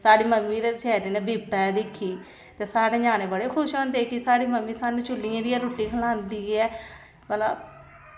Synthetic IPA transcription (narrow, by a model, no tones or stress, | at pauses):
saːɽiːməmːiːd̪eːt͡ʃɛːɾeːneːbiːp̚t̪aːɛːd̪ɪkʰːiː | t̪eːsaːɽeːd͡ʒaːñeːbəɽeːkʰʊʃõːnd̪eːkisaːɽiːməmːiːsaːnũːt͡ʃʊlːiãːd̪iːãːɾʊːʈːiːkʰəlãːnd̪iːɛː | bəla̰